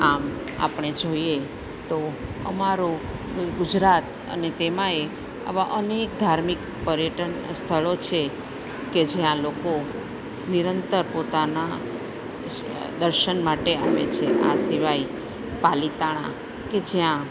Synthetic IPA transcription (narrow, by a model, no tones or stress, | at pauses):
am | a̰pɳ̃ed͡ʒoie | t̪oə̰maɾoɡʊd͡ʒɾat̪ | ə̰net̪emãe | a̰ʋaʔənek̚d̪ʱaɾmik | pəɾjəʈənst̪ʰəɭot͡ʃʰe | ked͡ʒjãloko | niɾənt̪əɾpot̪ana | d̪əɾʃənmaʈeaʋḛt͡ʃʰeʔasiʋai | palit̪aɽ̃ã̰ | ked͡ʒjã